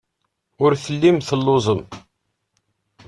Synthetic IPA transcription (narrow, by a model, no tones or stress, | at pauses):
ʊɾθəlːimθəlːʊzˤəm